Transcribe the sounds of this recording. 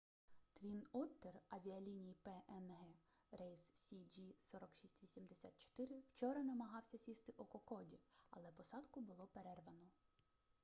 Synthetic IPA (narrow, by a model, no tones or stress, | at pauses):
t̪ʋʲinɔt̪ːerɐʋʲiɐlʲinʲijipɛʔɛnɦɛ | ɾɛjssʲid͡ʒisɔɾɔkʃisʲtʲʋʲisʲimd̪esʲa̰t̪̚t͡ʃɔ̥t̪ɪɾɪwt͡ʃɔɾɐnɐmɐɦɑwsʲɐsʲist̪ɪʔɔkɔkɔdʲiɐlˠɛpɔsɑd̪kʊbʊlˠɔpeɾɛrʋɐnɔ